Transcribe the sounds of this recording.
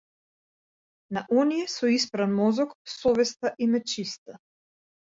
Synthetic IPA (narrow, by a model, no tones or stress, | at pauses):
naʔɔnijɛsɔispɾanmɔzɔksɔvɛst̪aʔimɛt͡ʃist̪a